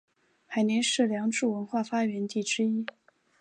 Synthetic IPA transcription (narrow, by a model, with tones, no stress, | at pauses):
pʰa˨˧˩ɪnjɛ˧˥nʂɻ̩˥˩ljɑ˧˥ŋʈ͡ʂu˥˩wə˧˥nxwa˥˩fa˥ɥɛ˧˥nt̪i˥˩ʈ͡ʂɻ̩˥i˥